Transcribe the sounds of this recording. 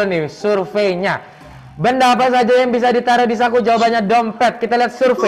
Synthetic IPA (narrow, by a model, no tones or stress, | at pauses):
nɪsurfejɲa | bəndaːpas̬ad͡ʒajaŋbis̬adit̪aɾodis̬akud͡ʒawabaɲadɔmpɛt̪̚kit̪aliɦat̪̚surfe